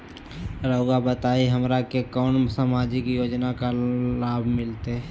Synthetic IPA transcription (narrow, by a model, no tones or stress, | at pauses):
ɾəʊɡabət̪aːiɦəmɾakekɔːnsamad͡ʒikjoːd͡ʒnakalaːbʱmɪlt̪e